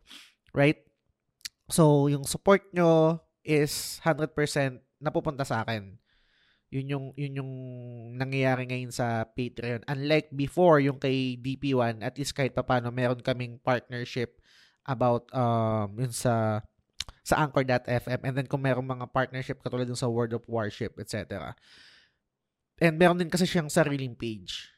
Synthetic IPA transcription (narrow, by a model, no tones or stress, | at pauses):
ɹajt̪̚ | sowjʊŋsʊpoɹt̪̚ɲo | ʔɪshand̪ɾɛd̪̚pɛɹsɛnt̪̚nɐpuːpʊnt̪ɐsɐʔaːkɛn | jʊnjʊŋjʊnjʊŋnɐŋjɐjaːɾɪŋɐjonsɐpejt̪ɾɐjonʔɐnlajk̚bɪfo̞ɹjʊŋkɐjd̪ipiwanʔɐt̪list̪̚kaːhɪt̪̚pɐpaːno̞mɛːɾonkɐmɪŋpaɹt̪̚nɛɹʃɪp̚ | ʔɐbawt̪̚ʔɐmjʊnsɐ | sɐʔaŋkɛɹd̪ɐt̪ʔɛfʔɛmʔɛnd̪ɛnkʊŋmɛːɾoŋmɐŋapaɹt̪̚nɛɹʃɪp̚kɐt̪uːlad̪ːʊnsɐwɛɹd̪ɔfwaɹʃɪpʔɛt̪̚t͡ʃɛ̰t̪ɛɾɐ̰ | ʔɛnd̪mɛːɾond̪ɪnkɐsɛʃaŋsɐɾiːlɪŋpejd͡ʒ